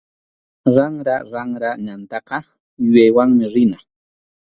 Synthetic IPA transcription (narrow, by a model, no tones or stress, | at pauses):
ɾaŋɾaɾaŋɾaɲant̪ɑqɑ | jʊjajwaŋmɪɾɪna